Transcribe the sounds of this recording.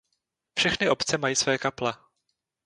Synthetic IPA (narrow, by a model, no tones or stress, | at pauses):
fʃɛxnɪʔo̞pt͡sɛmajiːsvɛːkaplɛ